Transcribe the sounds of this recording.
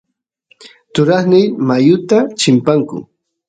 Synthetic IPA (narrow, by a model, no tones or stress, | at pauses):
t̪ʊɾaχnɪjmajʊt̪at͡ʃɪmpaŋkʊ̰